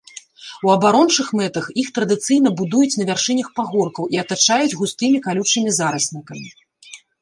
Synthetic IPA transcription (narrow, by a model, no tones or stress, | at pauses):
uɐbaɾɔnt͡ʂɨxmɛt̪ɐxixt̪ɾɐd̪ɨt̪sɨjnɐbud̪ujut͡sʲnɐvʲarʂɨnʲɐxpaɣɔrkɐwʔiɐt̪at͡ʂajud͡zʲɣust̪ɨmʲikalʲut͡ʂɨmʲizaɾɐsʲnʲikɐmʲi